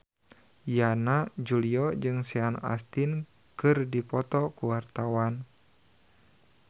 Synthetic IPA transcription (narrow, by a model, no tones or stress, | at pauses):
janad͡ʒuliɔd͡ʒɨŋsɛana̰st̪in | kɨrdipɔt̪ɔkuwart̪awan